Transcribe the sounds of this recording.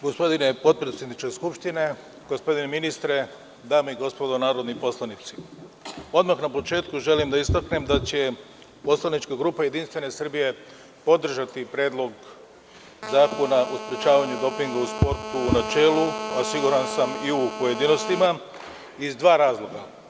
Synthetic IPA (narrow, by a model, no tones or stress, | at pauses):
ɡo̞spo̞d̪ine̞po̞t̪̚pɾe̞t̪sjed̪nit͡ʃke̞skupʃt̪ine̞ | ɡ̥ospo̞d̪ine̞minist̪ɾe̞ | d̪aːmeiɡo̞spo̞d̪o̞naːɾo̞d̪nipo̞slˠanit̪si̥ | o̞d̪maxnapo̞t͡ʃe̞ːt̪kuʒe̞limd̪aist̪akne̞md̪at͡ɕe̞ | po̞slˠanit͡ʃkaɡɾuːpaje̞d̪inst̪ʋe̞ne̞sr̩bije̞ | po̞d̪r̩ʒat̪ipɾe̞ːd̪lˠo̞ɡ | zaːko̞naʔuspɾet͡ʃaːʋaɲud̪o̞piŋɡauspo̞ɾt̪uːnat͡ʃe̞ːluasiɡuɾansamiupo̞je̞d̪ino̞st̪ima | izd̪ʋaːɾaːzlˠo̞ɡa